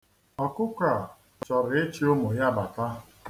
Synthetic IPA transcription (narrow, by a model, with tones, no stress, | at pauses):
ɔ˨kʊ˦kʷa˨ | t͡ʃɔ˨ɾɪ˨e˦t͡ʃi˦o˦mo˨ja˦ba˨ta˦